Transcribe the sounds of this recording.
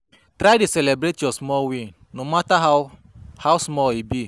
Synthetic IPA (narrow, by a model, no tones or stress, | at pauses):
tɾaduselebɾetjosmɔwi | nomataɦa | hawsmɔibi